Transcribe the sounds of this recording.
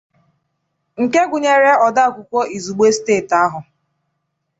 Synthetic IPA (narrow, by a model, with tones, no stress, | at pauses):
ŋ̩˨ke˦ɡʷʊ˨ɲe˦ɾe˦ɔ˨da˦˨kʷʊ˨kʷo˦i˨zu˨ɡ͡be˦steː˦˨ta˦ɦʊ˨